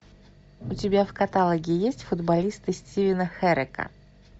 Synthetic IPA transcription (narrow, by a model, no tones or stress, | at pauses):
ʊtʲɪbʲafkɐt̪alˠəɡʲɪjesʲtʲfʊd̪bɐlʲist̪ɨsʲtʲivʲɪnəxɛɾɪkə̰